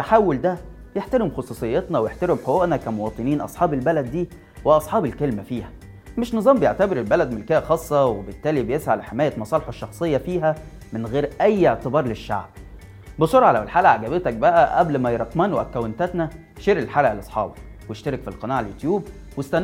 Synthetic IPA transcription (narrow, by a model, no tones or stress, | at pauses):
t̪ːaħawːold̪æ | jeħt̪æɾemxɑsˤuːsˤejːet̪nɑwejeħt̪æɾemħoʔoʔnɑkæmowɑːt̪ˤɨniːnʔɑ̰sˤħɑːbelbælæd̪ːiː | weʔɑsˤħɑːbelkelmæfiːhæ | meʃnɨzˤɑːmbejeʕt̪æbeɾelbælæd̪melkæːʔæxɑːsˤːɑwebet̪ːæːlibejesʕalħemæːjæmɑsˤɑːleħeʃːɑxsˤejːɑfiːɦæmenɣeːɾʔæjːeʕt̪ebɑːɾˤleʃːa̰ʕb̚ | besˤoɾˤʕɑlæwelħaːlʔæʕaɡæbet̪æk̚bæʔæʔæblmæjeɾˤɑt̪mæːnwʔækːæwent̪æt̪næ | ʃeɾːelħaːlʔæʔlʔɑsˤħɑ̰ːbɑkwejeʃt̪æɾekfilqɑnaːʕaljot̪juːb | west̪æn